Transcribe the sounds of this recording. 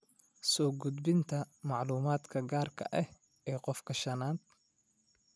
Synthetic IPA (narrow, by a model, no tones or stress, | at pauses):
sɔːɡʊd̪bɪnt̪ʰɐmɑʕluːmaːd̪kʰɐɡaːrkʰɐ̰ʔɛh | ɛːqɔfkʰɐʃɐnaːd̪